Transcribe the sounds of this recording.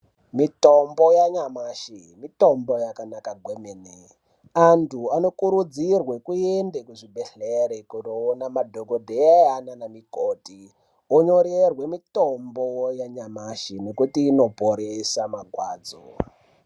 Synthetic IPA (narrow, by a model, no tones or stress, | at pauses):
mitombo̞jaɲamaʃi | mito̞mbojakanakaɡʱwemene | antʰuano̞kuɾud͡zirwekuendekuʐibʱeɬeɾekunoːnamadʱoɡodʱeaananamikoti | oɲoɾerwemito̞mbojaɲamaʃine̞kutiːno̞poɾesamaɡʱwaːd͡zo̰